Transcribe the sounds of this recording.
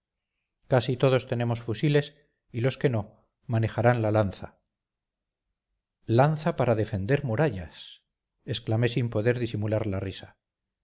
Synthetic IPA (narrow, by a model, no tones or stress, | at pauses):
kasit̪o̞ð̞o̞st̪e̞ne̞mo̞sfusile̞s | ilo̞ske̞no̞ | mane̞χaɾanlalanθa | lanθapaɾaðe̞fe̞nd̪e̞ɾmuɾaʎas | e̞sklame̞simpo̞ðe̞ɾðisimulaɾlarisa